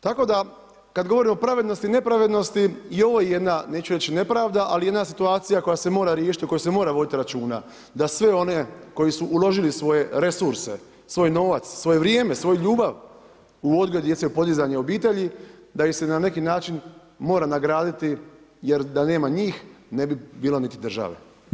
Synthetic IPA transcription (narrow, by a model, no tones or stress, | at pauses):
t̪ako̞d̪a | kad̪ɡo̞ʋo̞ɾimo̞pɾaʋed̪no̞st̪ine̞pɾaʋed̪no̞st̪iio̞ʋo̞jeje̞d̪nane̞ːt͡ʃuɾe̞t͡ɕine̞pɾaːʋd̪aʔalije̞d̪nas̬it̪uaːt̪sijako̞jase̞mo̞ːɾaɾje̞ːʃi̥t̪iko̞jusemo̞ːɾaʋo̞d̪it̪iɾat͡ʃuːna̰ | d̪asʋe̞o̞ne̞ko̞jisuʔulˠo̞ʒilisʋo̞je̞ɾe̞suɾse̞̰ | sʋo̞ːjno̞ːʋat̪sːʋo̞je̞ʋɾjeːme̞sʋo̞jʎuːbaʋ | uo̞d̪ɡoud̪je̞t̪seupo̞d̪izaɲeo̞biːt̪e̞ʎid̪aixse̞nane̞kinaːt͡ʃin | mo̞ːɾanaɡɾaːd̪it̪i | je̞ɾd̪ane̞ːmaɲiːxne̞bibiːlo̞nit̪id̪r̩ʒa̰ʋḛ